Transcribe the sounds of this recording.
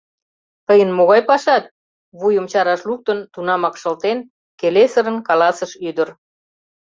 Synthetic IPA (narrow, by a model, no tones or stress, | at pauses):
t̪əjənmoɣɑjpɑʃɑt̪̚ | βujəmt͡ɕɑɾɑʃluk̚t̪ənt̪unɑmɑkʃə̆lt̪en | kelesəɾənkɑlɑsəʃyd̪ər